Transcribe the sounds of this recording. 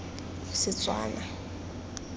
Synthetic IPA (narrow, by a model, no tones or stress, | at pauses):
sɪt͡sʼwa̰ːna